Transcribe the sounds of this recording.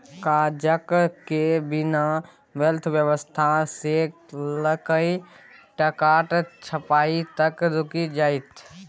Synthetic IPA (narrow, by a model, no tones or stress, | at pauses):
kad͡ʒəkkebina | ʋɛlt̪ʰʋjəʋəst̪ʰase | ləkəi | ʈəkaʈt͡ʃʰəpait̪əkɾʊkid͡ʒaːit̪ʰ